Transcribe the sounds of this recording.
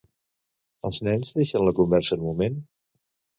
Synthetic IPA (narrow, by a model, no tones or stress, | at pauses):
əlˠznɛnzðeʃənləkumbɛɾsəːnmumen